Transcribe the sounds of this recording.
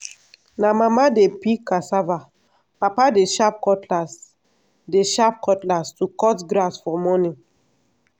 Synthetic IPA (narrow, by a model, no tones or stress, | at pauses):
namamadepikːasava | papadeʃap̚kɔtlas | deʃap̚kɔtlastukɔtɡɾasfɔmɔnĩ